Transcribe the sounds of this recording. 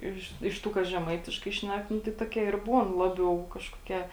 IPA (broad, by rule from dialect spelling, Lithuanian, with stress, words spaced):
ˈɪʃ ɪʃ ˈtuː ˈkɐs ʒʲɛˈmɐɪtʲɪʃkɐɪ ˈʃʲnʲɛk ˈnʊ tɐɪ ˈtuɔˌkʲiɛ ɪr ˈbuːn ˈlˠɑːbʲɛʊ ˈkɑːʃkoːˌkʲiɛ